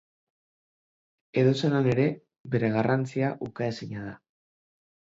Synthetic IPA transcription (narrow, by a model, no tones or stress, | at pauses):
e̞ðose̞nane̞ɾe̞ | be̞ɾe̞ɣ̞arant͡siaʔukaesiɲað̞a